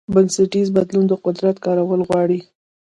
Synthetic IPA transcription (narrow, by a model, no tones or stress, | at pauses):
baŋsɪʈizbad̪lund̪əqʊd̪ɾat̪kɑɾawəlɣwɑɽi